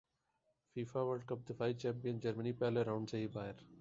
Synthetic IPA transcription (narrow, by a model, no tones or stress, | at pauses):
fiːfaːʋəɖ̚kəp̚d̪ɪfaːiːt͡ʃɛ̃ːmpijənd͡ʒəɾməniːpɛːleːɾãʊ̃ɳɖseːɦiːbaːɦɪɾ